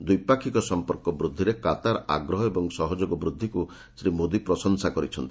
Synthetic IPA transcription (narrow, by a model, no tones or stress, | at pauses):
d̪ujpakʰikɔsɔmpɔɾkɔbɾud̪ʱːiɾekat̪aɾa̰ɡɾɔɦɔebɔŋsɔɦɔd͡ʒoɡɔbɾud̪ʱːiku | sɾimod̪ipɾɔsɔŋsakɔɾit͡ʃʰɔnt̪i̥